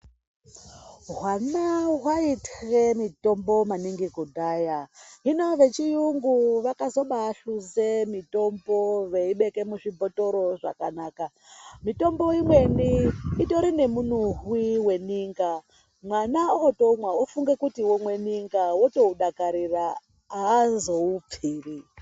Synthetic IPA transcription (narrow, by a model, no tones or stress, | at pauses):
ɦwanaɦwaitremito̞mbo̞maniŋɡiɡudʱaːjaɦino̞ʋe̞t͡ʃijuŋɡuʋakazo̞ɓaːɬuzemito̞mbo̞ʋe̞iɓe̞ke̞muʐibo̞to̞ɾo̞ʐa̰kanaːka | mito̞mbo̞imwe̞niːto̞ɾine̞munuɦwiwe̞niːŋɡa | mwanaooto̞umwaufuŋɡe̞kutiwomwe̞niŋɡawoto̞uɗakaɾiraː | zo̞up͡fiːri